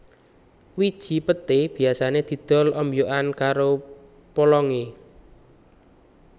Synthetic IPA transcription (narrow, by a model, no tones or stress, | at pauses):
wid̥ʒ̥i̤pət̪eb̥i̤asaned̪̥i̤d̪̥ɔ̤lʔəmbijoʔankaɾo | polɔŋe